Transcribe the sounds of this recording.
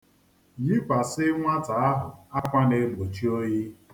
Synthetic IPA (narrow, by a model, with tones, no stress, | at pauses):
ɲi˦kʷa˨sɪ˦ŋʷa˦ta˨a˦ɦʊ˨a˦kʷa˦ne˨mo˨t͡ʃi˦o˦ji˦